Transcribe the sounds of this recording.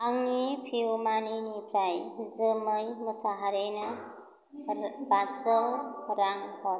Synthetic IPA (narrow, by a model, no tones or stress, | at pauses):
aŋnipʰiwmaninipʰɾajzɯmɯjmɯsaɦaɾejna | basɔwɾaŋbɔɾ